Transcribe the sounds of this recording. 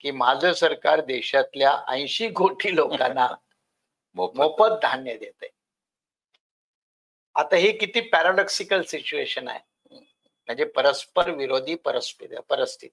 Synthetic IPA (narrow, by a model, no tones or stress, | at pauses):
kiːmad͡zʱəsəɾkaɾd̪eɕat̪ljaʔã̰j̃ɕiːɡʱoʈʰiːlokanːa | omopət̪̚d̪ʱanjəd̪jet̪ə̰j | a̰t̪aɦikit̪iːpæɾaɖɔksikəlsit͡ɕueɕəna̰ɦḛ | m̤əɳd͡zepəɾəspəɾʋiɾod̪ʱiːpəɾəspit̪ə̰pəɾəst̪ʰḭt̪ː